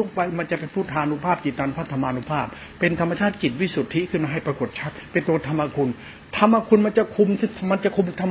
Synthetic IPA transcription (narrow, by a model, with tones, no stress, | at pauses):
u˥˩ŋ̚pa˧jma˧nt͡ɕa˨ʔpe˧npʰuː˥˩t̪ʰaː˧nu˦˥pʰaː˥˩p̚t͡ɕi˨˩t̪ːaː˧npʰa˦˥˩t̪ʰːa˧maː˧nu˦˧˥pʰaː˥˩p̚ːe˧nt̪ʰa˧mːa˧t͡ɕʰaː˥˩t̪̚t͡ɕi˨˩t̪̚wi˦˥˩su˨˩t̪ʰːi˦˥kʰɯ˥˩nmaː˧ɦa˥˩jpɾa˧ko˨˩t̪̚t͡ɕʰa˦˥˩k̪̚pe˧nt̪u˧ə˧t̪ʰa˧mːa˧kʰu˧n | t̪ʰa˧mːa˧kʰu˧nma˧nt͡ɕa˨˩kʰu˧mma˧nt͡ɕa˨ʔkʰu˧m˧t̪ʰa˧m